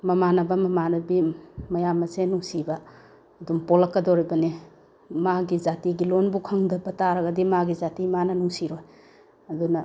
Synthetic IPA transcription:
mɐmanɐbɐmɐmanɐbimɐjamːɐsenuŋsibɐː | dumpɔlɐkːɐdoɾibɐni | maɡizatiɡilonbukʰɐŋdɐbɐtaɾɐɡɐdimaɡizatimanɐnuŋsiɾoj | ɐdunɐ

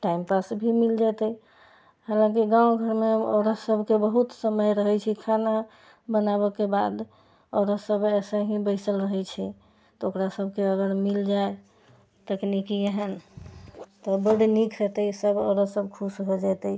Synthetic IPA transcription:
ʈaimpasbʱimild͡ʒat̪ə | halãkiɡãw̃ɡʱəɾmeo̰ɾəsəbʱkebəɦut̪səməjɾəɦɛt͡ʃʰikʰana | bənaβəkebad̪ | ɔɾəsəbɛsəɦĩbəɪsəlɾəɦɛt͡ʃʰɛ | t̪ɔokɾasəbʱkeəɡəɾmild͡ʒae | t̪əknikieɦən | t̪ɔbəɽinikʰɾət̪əjsəbɔ̰ɾəsəbkʰusɦod͡ʒat̪əi

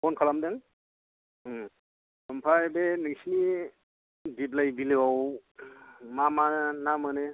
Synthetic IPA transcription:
kɔnkʰalamdeŋ | sɔmpʰajbenɯŋsni | diblajbilewaw | mamannamɯne

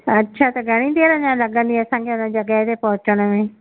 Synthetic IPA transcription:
ɐtːʃʰat̪ɐɡʱɐɽ̃ĩd̪eɾɐɲãlɐɠə̃nd̪iɐsãːkʰeʊnəd͡ʑɐɡəɦet̪epɐɦʊt͡ɕəɽ̃əmẽː

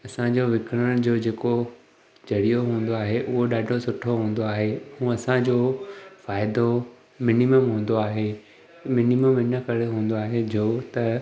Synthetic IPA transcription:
ɐsãd͡ʑoːʋɪkɽəɽ̃d͡ʑoːd͡ʑeːko | d͡ʑɐɽijoɦũːn̆d̪oaːɦeʔʊɦoɗaːɖʱosʊʈʰoɦũːn̆d̪oaːɦehũːɐsãd͡ʑoːfaːɪd̪o | mɪniməmɦũːn̆d̪oaːɦe | mɪniməmɪnə̆kɐɾeɦũːnd̪oaːɦed͡ʑoːt̪ɐ

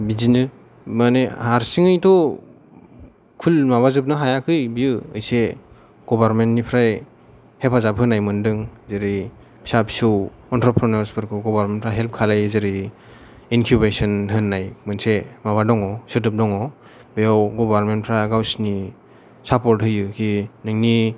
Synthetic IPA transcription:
bizinɯ | manehaɾsiŋɯjtʰɔ | kʰulmaβazɯp̚nɯɦajakʰɯjbiɯɯjse | ɡ̥ɔbaɾmentnipʰɾaj | hepʰazabɦɯnːajmɯndɯŋzɯɾi | bi̥sapsu | ɔntʰɾɔpʰɾɔnɔɾsbɯɾkʰɯɡɔbaɾmenpʰɾaɦelp̚kʰalajzɯɾi | inkʰjubesɔnɦɯnːajmɯnsemaβadɔŋɔsɯdɯp̚dɔŋɔ | bejɔwɡɔbaɾmentpʰɾaɡawsni | sapɔɾtɦɯjɯkʰinɯŋni

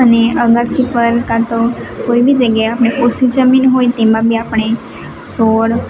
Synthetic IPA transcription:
əneəɡasipəɾkãt̪okoibid͡ʒəɡjaeapɳ̃ekosid͡ʒəminɦojt̪emãbʱiapɳ̃e | soɽ

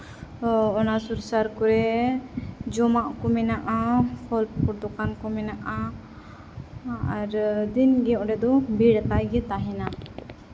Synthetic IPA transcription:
ɔnasuɾsaɾkɔɾɛ | d͡ʒɔmaʔkɔmɛnaʔahɔlpkɔɾt̪ɔkankɔmɛnaʔa | aɾd̪inɡɛɔ̃ɖɛd̪ɔbiɽt̪ajɡɛt̪aɦɛna

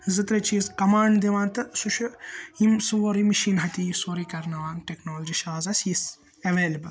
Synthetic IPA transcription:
zɨt̪ɾɐt͡ʃʰiːzkɐmaːɳɖd̪iʋaːnt̪ɨsuʃʰuimsuʋoːɾimiʃiːnɦɐt̪ijisoːɾikɐɾnɐʋaːnʈeknoːlɐd͡ʒiʃaːzɐsis | ɐʋeːlɐbɐl

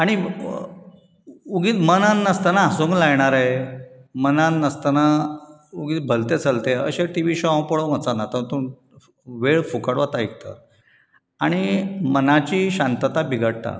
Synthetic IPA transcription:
aɽ̃i | uɡiːt̪mənãnnəst̪ənaːsuŋklajɳ̃aɾajmənanəst̪əna | uɡiːt̪̚bʱəlt̪et͡səlt̪eə̰ɕeʈiʋiɕɔãwpəɭomət͡sanat̪ət̪un | ʋeɭfukəɽʋat̪aik̚t̪ə̰ | aɽ̃imənat͡ɕiːɕãnt̪ət̪abiɡʱəɽ̚ʈ̪a̰

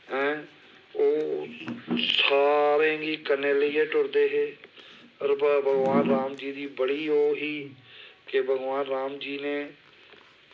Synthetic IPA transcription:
ɛ̃ː | oː | saːɾẽːɡiːkəneːliːeʈʊɾd̪eːɦeː | əɾbəbʱəɡʋaːnɾaːmd͡ʒiːd̪iːbəɽiːoːɦiːkebʱəɡʋaːnɾaːmd͡ʒiːneː

